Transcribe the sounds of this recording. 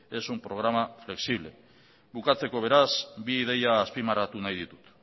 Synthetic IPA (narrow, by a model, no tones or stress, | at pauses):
e̞sumpɾo̞ɣɾamafle̞ksiβle̞̰ | βukat͡se̞ko̞β̞e̞ɾasbiːðe̞jaːspimarat̪unajðit̪u̥t̪